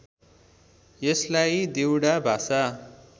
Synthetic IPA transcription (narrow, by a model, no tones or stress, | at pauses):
jeslajd̪iwɽabʱasa